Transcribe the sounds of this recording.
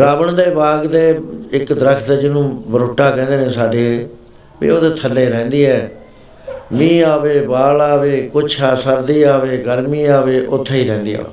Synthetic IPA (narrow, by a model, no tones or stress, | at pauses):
ɾaːbəɳd̪eːbaːɡd̪eːɪkd̪əɾəkʰt̪ːd͡ʒɪnũːbəɾoːʈːaːkɛ̃ːnd̪eːnẽːsaːɖeː | ʋḭːoːd̪eːt̪ʰəlːeːɾɛ̃ːnd̪iːɛː | mĩːaːʋeːbaːlaːʋeːkʊt͡ʃʰaːsəɾd̪iːaːʋeːɡəɾmiːaːʋeːʔʊt̪ʰːeːiːɾɛ̃ːnd̪iːa̰ːe